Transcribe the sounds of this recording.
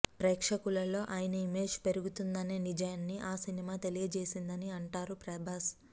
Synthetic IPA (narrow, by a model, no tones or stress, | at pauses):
pɾeːkʂɐkulɐlo̞ːʔaːjɐnɐimeːd͡ʒpe̞ɾuɡut̪und̪ɐneːnid͡ʒɐjɐnːiʔaːsinimaːt̪e̞lijɐd͡ʒe̞ːsind̪ɐniɐɳʈaːɾupɾɐbʱaːs